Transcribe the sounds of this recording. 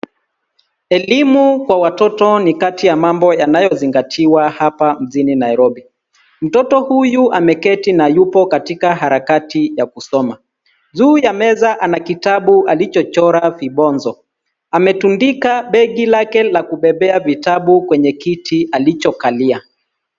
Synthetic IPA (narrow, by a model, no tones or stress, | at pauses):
ɛlimukwawatɔtɔnikatijamambɔjanajɔziŋɡatʰiwahapam̩ʄininajɾɔɓi | m̩tɔtɔhujuʔamɛkɛtinajupɔkatikaɦaɾakatijakusɔma | zuːjamɛzaʔanakitaɓuʔalit͡ʃɔt͡ʃɔɾafiɓɔnzɔ | amɛtundikaɓɛɠilakɛlakuɓɛɓɛavitaɓukwɛɲɛkitʰialit͡ʃɔkalia